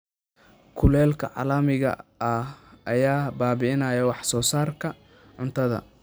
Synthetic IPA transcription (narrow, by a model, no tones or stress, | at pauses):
kʰʊlɛːlkʰɐʕɑ̰lɐmɪɣɐ̰ɐʔɐjaːbaːβɪɪnɐːjɐwɑħsɔːsaːrkʰɐ | ʕʊnt̪ʰɐðɐ̰